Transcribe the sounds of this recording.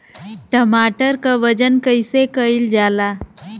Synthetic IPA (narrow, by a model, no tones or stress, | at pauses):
ʈəmaːʈəɾkaʋəd͡ʒənkəɪsekəild͡ʒaːlaː